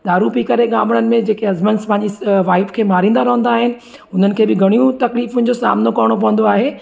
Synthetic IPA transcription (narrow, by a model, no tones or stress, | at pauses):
d̪aːɾupikɐɾeɠaːməɽ̃ənɪ̆mẽd͡ʑeːkeɐzmənspɐ̃ːɪɲd͡ʑisʋaːɪpkʰeːmaːɾĩːn̆d̪aɾɐɦə̃n̆d̪aːɦɪnɪ̆ | ʊn̤ənɪ̆kʰeːbɪɡʱɐɽ̃ijũt̪ɐkliːfʊnɪ̆d͡ʑosa̰ːmnokɐʋɽ̃op̬ɐʋə̃n̆d̪oaːɦeː